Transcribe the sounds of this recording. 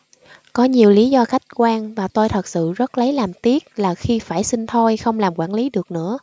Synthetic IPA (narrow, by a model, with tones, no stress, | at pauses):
kɔ˨˦ɲi˨˩əwli˨˦zɔ˧xa˦˥jk̟̚kwaː˧ŋvaː˨˩t̪o˧jt̪ʰə˨˩t̚sɨ̰˧˨zə˦˥t̚lə˨˦jlaː˨˩mt̪i˦˥ət̚laː˨˩xi˧faː˧˩jsï˧ŋ̟t̪ʰo˧jxə˧wŋ͡mlaː˨˩mkwaː˧˩nli˨˦ɗɨ˨˩ək̚nɨ̰˧˥ə